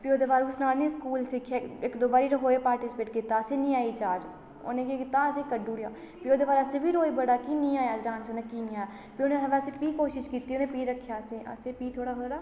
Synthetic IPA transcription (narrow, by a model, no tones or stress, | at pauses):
pioːd̪eːbaːɾʊsnaːɾnĩːskuːlsɪkʰjeekd̪oːbaːɾiɾəɦoːepaːɾʈɪsɪ̥peːʈkɪt̪aːəsenĩaːit͡ʃaːd͡ʒ | o̰ːnẽkekɪt̪aəsekəɖuːɽja̰ː | pioːd̪eːbaːɾəsebʱiːɾoːibəɽaːkiːnĩaːjaːd͡ʒɖãːnsoːneːkiːnĩaːjaː | pioneʋɛːsepiːkoːʃɪʃkiːt̪ionẽpiːɾəkʰːjaːseʔə̰seːpiːt̪ʰoːɽaːɦoːɾaː